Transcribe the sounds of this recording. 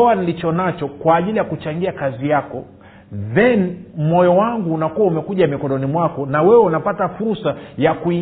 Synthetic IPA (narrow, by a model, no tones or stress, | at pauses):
ɔwanilit͡ʃɔnat͡ʃɔkwaːʄilijakut͡ʃaŋɡiakazijakɔ | ðɛnm̩mɔjɔwaŋɡuːnakuwaumɛkuʄamikɔɗɔnimwakɔnawɛwɛunapatafuɾsajakui